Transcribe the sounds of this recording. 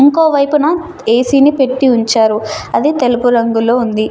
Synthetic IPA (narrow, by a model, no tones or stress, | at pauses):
iŋkoːʋɐjpunɐ | eːsiːnipe̞ʈːiuɲt͡ʃaːɾuɐd̪it̪e̞lupuɾɐŋɡulo̞ːund̪i